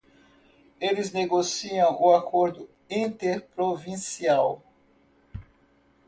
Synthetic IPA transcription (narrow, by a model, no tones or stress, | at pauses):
elɪzneɡosiɐ̃w̃ʔʊakoɾd̪ʊ | ĩnt̪eɾpɾovĩsiaw